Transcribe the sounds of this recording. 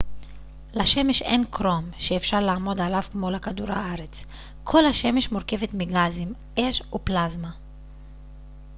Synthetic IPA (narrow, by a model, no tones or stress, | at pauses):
laʃe̞meʃenkʁo̞mʃeːfʃaʁlaːmo̞dalavkmo̞lakaduɾha̰aʁet͡s | kʰo̞lhaʃe̞meʃmoɾke̞vet̪miɡazim | ʔeʃuplazma